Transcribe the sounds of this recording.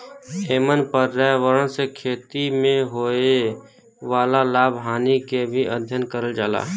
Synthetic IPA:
eːmənpəɾːɛːwəɾəɽsekʰeːt̪imẽɦoːe | ʋaːlalaːbʱɦaːnikebʱiəd̪ʱjənkəɾəld͡ʒaːla̰ːɦ

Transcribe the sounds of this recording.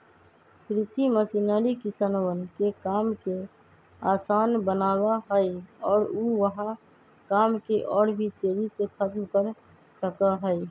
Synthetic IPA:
kʰɾɪsiməsinaːlikɪsanowənkekaːmke | aːsaːnbənaːwaɦəiɔːɾuʋəɦã | kaːmkeʔɔːɽbʱit̪eːɾisekʰət̪mkəɾ | səkaɦɛi

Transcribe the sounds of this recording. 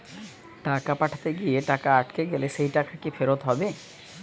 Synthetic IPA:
ʈakapaʈʰḁt̪eɡijeʈakaːʈkeɡelesejʈakakipʰeɾot̪ɦɔbe

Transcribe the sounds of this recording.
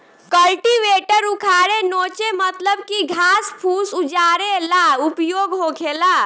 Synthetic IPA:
kəlʈiʋeːʈəɾʊkʰaːɽenoːt͡ʃemət̪ləb̚kiɡʱaːspʰuːsud͡ʒaːɾelaupjoːɡɦoːkʰelaː

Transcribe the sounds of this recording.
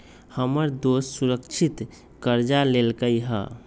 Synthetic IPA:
həməɾd̪ossuɾəkt͡ʃʰit̪ | kəɾd͡ʒalelkəjɦə̰

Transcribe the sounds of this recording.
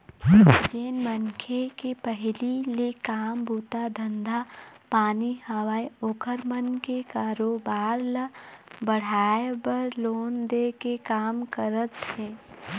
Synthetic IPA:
d͡ʒeːnmənkʰekepəɦlilekaːmbuːt̪ad̪ʱə̃nd̪ʱapaːnihəwaːjokʰəɾmənkekaːɾoːbaːɾlabəɽ̤aːebəɾloːnd̪ekekaːmkəɾət̪ɦɛ̃ː

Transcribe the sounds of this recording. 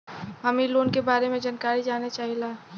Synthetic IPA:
ɦɐmiloːnkebaːɾemẽd͡ʒənkaːɾid͡ʒaːnet͡ʃaːɦilaː

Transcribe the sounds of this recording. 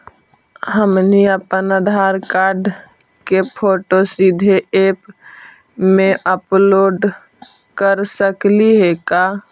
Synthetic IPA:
ɦəmniəpənəd̪ʱaːɾkaːɾɖ | kepʰoːʈosid̪ʱeeːp | mẽʔəploːɖ | kəɾsəkliɦekaː

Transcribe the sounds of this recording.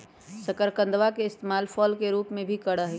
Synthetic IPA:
səkəɾkə̃nd̪ʋakeɪst̪emaːlfʰɔːlkeɾuːpmẽbʱikəɽəɦ

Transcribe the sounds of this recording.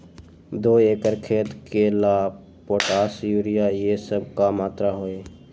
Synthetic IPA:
d̪oːeːkəɾkʰeːt̪kelaː | poːʈaːsjuːɾɪjajesəb̚kamaːt̪ɾaɦoːeː

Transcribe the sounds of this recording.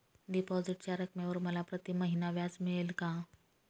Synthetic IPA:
ɖipɔziʈt͡ɕaɾəkmeʋəɾməlapɾət̪iməɦinaʋjad͡zmiɭelkã

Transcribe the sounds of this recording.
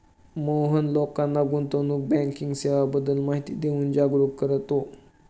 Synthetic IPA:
məwɦənlokanːaɡunt̪onuk̚bɛŋkiŋɡseʋabəd̪əlmaɦit̪id̪eund͡ʒaɡɾukkːəɾət̪o

